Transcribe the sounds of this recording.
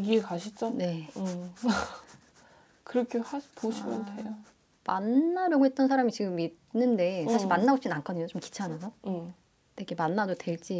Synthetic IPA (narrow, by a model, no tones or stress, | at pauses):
iɡiekaɕʰit͡ɕ͈one̞ | kɯɾʌkʰehapoɕʰimjʌntʰejo | manːaɾjʌɡoɦe̞t̚t͈ʌns̬ʰaɾamit͡ɕiɡɯmid | nːɯnde̞ssʰaɕiɭmanːaot͡ɕ͈inankʰʌdɯɲot͡ɕomki̥t͡ɕʰanasʰʌ | teɡe̞manːadotwe̞ɭt͡ɕ͈i